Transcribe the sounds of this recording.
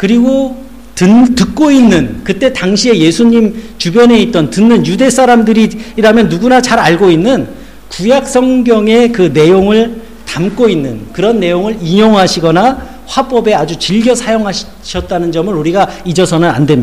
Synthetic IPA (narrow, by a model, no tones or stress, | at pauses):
kɯɾiɡo | tɯntɯk̚k͈oinːɯnkɯt͈e̞taŋɕʰie̞je̞sʰuɲimt͡ɕubjʌne̞it̚t͈ʌntɯnːɯnjude̞s͈ʰaɾamdɯɾiɾamjʌnːuɡunat͡ɕaɾaɭɡoinːɯn | kujak̚s͈ʌŋɡjʌŋe̞kɯne̞joŋɯɭ | tamk͈oinːɯnkɯɾʌnːe̞joŋɯɭiɲoŋɦaɕʰiɡʌna | ɸwap͈ʌbe̞ad͡ʑut͡ɕiɭɡjʌsʰajoŋɦa | ɕʰʌt̚t͈anɯnd͡ʑʌmɯɾuɾiɡaid͡ʑʌsʰʌnɯna̰ndwe̞m